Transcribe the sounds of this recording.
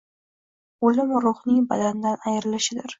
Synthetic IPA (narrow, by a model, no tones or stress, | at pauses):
olɪmɾʊχnɪŋba̰d̪and̪anajɾɪlɪʃɪd̪ɪɾ